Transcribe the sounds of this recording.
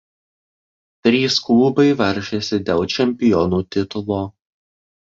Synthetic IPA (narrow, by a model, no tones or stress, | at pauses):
t̪ʲɾʲiːsklˠuːbɐɪʋɐɾʲʃʲesʲɪd̪ʲeːlˠt͡ʃʲɛmʲpʲɪjɔnuːt̪ʲɪt̪ʊlˠoː